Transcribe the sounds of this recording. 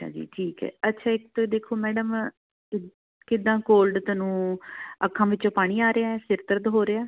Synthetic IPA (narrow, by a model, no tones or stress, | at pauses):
əa̰ːd͡ʒḭːʈʰiːkɛ̰ːətːʃʰaːɪkt̪od̪eːkʰoːmɛːɖəm | kɪd̪ãːkoːlɖt̪ənũːəkʰːãːʋɪt͡ʃõːpaːɽ̃iːaːɾeaːɛːsɪɾt̪əɾd̪ɦoːɾeaː